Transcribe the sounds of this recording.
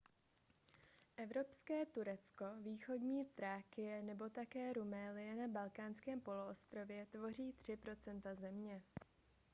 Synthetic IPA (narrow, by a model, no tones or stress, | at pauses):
ʔɛvɾo̞pskɛːt̪uɾɛt͡sko̞viːxo̞dɲiːt̪ɾaːkɪjɛnɛbo̞t̪akɛːɾumɛːlɪjɛnabalkaːnskɛːmpo̞loʔost̪ɾo̞vjɛt̪vo̞riːt̪r̝̥ɪpɾo̞t͡sɛnt̪azɛmɲɛ